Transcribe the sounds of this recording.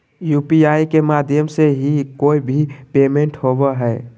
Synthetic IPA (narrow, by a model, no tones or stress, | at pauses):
jupiaikemad̪ʱjəmseɦikoibʱipemẽɳʈhobɛɦɛ